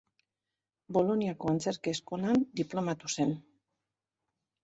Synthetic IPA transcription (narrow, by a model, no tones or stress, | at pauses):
boloniakoant͡seɾkeːskoland̪iplomat̪usen